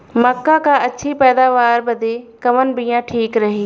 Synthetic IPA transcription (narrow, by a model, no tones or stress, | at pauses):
mɐkːakaɐtːʃʰipɛːd̪aːʋaːɾbɐd̪ʱekɐʋənɪ̆bijãʈʰiːkɾɐɦiː